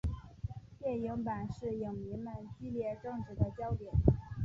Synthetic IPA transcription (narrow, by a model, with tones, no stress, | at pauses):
t̪jɛ˥˩nji˧˥ŋpa˨˩nʂɻ̩˥˩ji˨˩ŋmi˧˥mə˧nt͡ɕi˥ljɛ˥˧ʈ͡ʂɤ˥˧ŋʈ͡ʂɻ̩˥˩d̪ə˦t͡ɕjɑ˥ʊt̪jɛ˨˩˦n